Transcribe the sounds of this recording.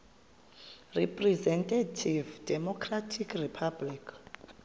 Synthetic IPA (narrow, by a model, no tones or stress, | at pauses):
ripʼrɛzɛntʼatʰivdɛmɔkʰratʰikripʰablik